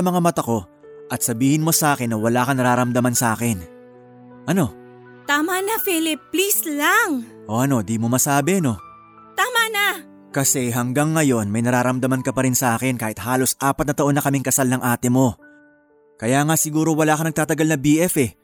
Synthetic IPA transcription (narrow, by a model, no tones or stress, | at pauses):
ɐmɐŋamɐt̪ɐko̞ | ʔɐt̪sɐbiːhɪnmo̞sɐʔaːkɪnːɐwɐlaːkɐnɐɾaːɾɐmd̪ɐmansɐʔaːkɪn | ʔɐno̞ | t̪aːmanɐfilɪplislaŋʔo̞ʔɐno̞d̪imo̞mɐsaːbɛno̞ | t̪aːmana | kɐsɛɦɐŋɡaŋːɐjo̞nmɐjnɐɾaːɾɐmd̪ɐmankɐpɐɾɪnsɐʔaːkɪnkaːhɪt̪haːlo̞sʔaːpɐt̪nɐt̪ɐʔo̞nːɐkɐmɪŋkɐsalnɐŋʔaːt̪ɪmo̞ | kɐjaːŋasɪɡuːɾo̞wɐlaːkɐnɐɡ̚t̪aːt̪ɐɡalnɐbiːʔɛfɛ